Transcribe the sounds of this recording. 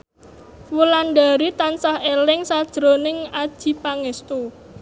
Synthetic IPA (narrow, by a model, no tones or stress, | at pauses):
wulanɖaɾit̪ansahelɪŋsad̥ʒ̥ɾonɪŋad̥ʒ̥i̤paŋɛst̪u